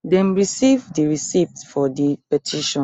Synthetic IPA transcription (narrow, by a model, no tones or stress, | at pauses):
dɛ̃mɹisivdiɹisiptfɔdipɛtʰiʃɔ̃n